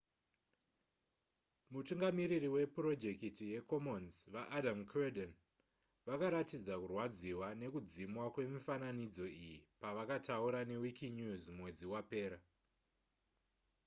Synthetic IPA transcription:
mutuŋɡamiɾiriwe̞pro̞d͡ʒe̞kitije̞ko̞mo̞nzʋaʔːdʱamkʰredon | ʋakaɾatid͡zakurwad͡ziwane̞kud͡zimwakwe̞mifananid͡zo̞ijipaʋakatʰauɾane̞wikʰiɲuzmmwe̞d͡ziwape̞ːɾa

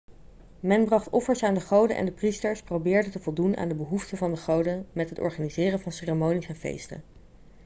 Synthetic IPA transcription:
mɛnbrɑχtɔfəɹsaːndəχowdəʔɛ̰ndəpristəɹsprowbɪːɹdətəvɔlˠdunʔa̰ːndəbəɦuftəvɑndəχowdəmɛtɦətɔ̰ɹχaːnizɪːrəvɑnseːremownisɛnvḛjstə̰

